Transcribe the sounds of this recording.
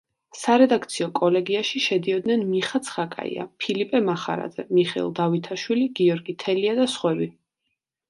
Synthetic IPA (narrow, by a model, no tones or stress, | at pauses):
saɾɛd̪ak̚ʰt̪sʰiɔkʼɔlɛɡiaʃiʃɛd̪iɔd̪nɛnmiχat̪sʰχakʼa̰ḭa̰pʰilipʼɛmaχa̰ɾa̰d̪zɛmiχɛ̰lˠd̪avit̪ʰaʃwiliɡiɔɾɡit̪ʰɛliad̪asχwɛbi